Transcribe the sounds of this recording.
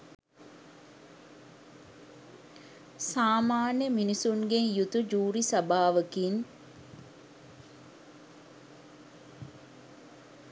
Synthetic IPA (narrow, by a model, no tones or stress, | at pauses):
saːmaːnjəminisuŋɡeŋjut̪ud͡ʒuːɾisɐbaːʋəkin